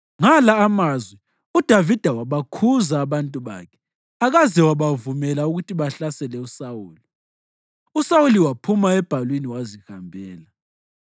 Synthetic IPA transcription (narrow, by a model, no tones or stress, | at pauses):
ŋalaːmazwɛ | ud̥ʱavid̥ʱawaβakʰuzaːβantʼuβa̰kʰɛ̥ | aɣazɛwaβavumɛlauɣutʰiβaɬasɛlɛusawuːli | usawuliwapʰumaɛb̥ʱalwiniwazihambʱɛːla